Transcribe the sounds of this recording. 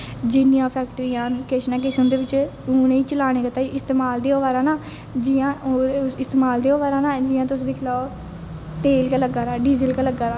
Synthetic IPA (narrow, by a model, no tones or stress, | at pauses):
d͡ʒɪnɪjãːpʰɛːk̚ʈɾiːjãːkeʃnãːk̬ɪsʊ̃nd̪eːʋɪt͡ʃʊːnĩːt͡ʃəlaːɽ̃eːkət̪aːiʔɪst̪eːmaːld̪eːoːʋaːɾãːnaː | d͡ʒijãːɪst̪eːmaːld̪eːoːʋaːɾãːnaːd͡ʒɪːãːt̪ʊsd̪ɪkʰlaːo | t̪eːlkaːləɡaːɾaːɖiːzɪlkaləɡaːɾaː